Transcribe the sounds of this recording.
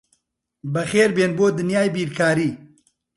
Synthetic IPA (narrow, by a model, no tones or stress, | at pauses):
bɐxeːɾbeːnboːd̪ɨnjaːjbiːɾkʰaːɾiː